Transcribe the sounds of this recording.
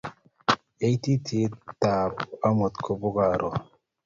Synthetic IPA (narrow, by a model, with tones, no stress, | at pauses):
e˦jt̪i˦t̪ʰi˨˦ta˨ba˦mo˨t̪kʰo˨bo˦ɡa˨ɾʔɔ˨